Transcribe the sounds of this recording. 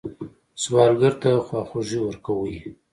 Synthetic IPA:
swɑɾɡaɾt̪axwɑxoʒiwəɾkawəj

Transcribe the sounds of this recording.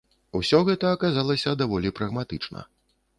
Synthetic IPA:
usʲɔɣɛt̪ɐːkazalˠɐsʲɐd̪avɔlʲipɾɐɣmat̪ɨt͡ʂnɐ̰

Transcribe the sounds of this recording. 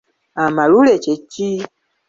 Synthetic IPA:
amaɾulet͡ʃet͡ʃi

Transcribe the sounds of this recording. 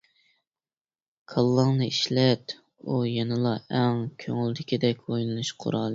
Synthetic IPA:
kʰɑlˠːɑŋnɨiʃlɛt̪ | ujɛnɨlˠɑɛŋkʲʰøŋyld̪ɪkʲid̪ɛkʲojnɨnɨʃqʰʊ̰ɾɑlˠɨ

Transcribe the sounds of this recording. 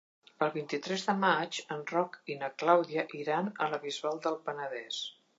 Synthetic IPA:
pəlˠβint̪it̪ɾɛzðəmat͡ʃənrɔkinəklawðiəʔiɾanələβizβalˠd̪əlˠpənəðɛs

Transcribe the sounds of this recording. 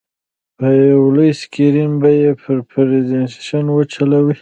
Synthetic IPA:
pawləjskiɾinbajepʰəɾpʰɾezensaʃanwət͡ʃalawi

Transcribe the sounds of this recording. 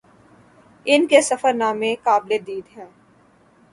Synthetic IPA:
ɪnkesɐfəɾnaːmẽkaːbled̪iːd̪ɦɛ̃ː

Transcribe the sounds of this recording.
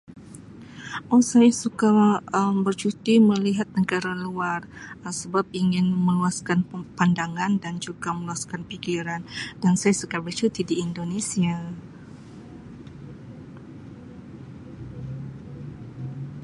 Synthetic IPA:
ʔɔsajasukaəmbərt͡ʃut̪iməliɦat̪̚nəɡaɾaluarəsəbap̚iŋɪnməluaskanpandaŋandand͡ʒuɡaməluaskanpikiɾandansajasukabərt͡ʃut̪idiːndonesia

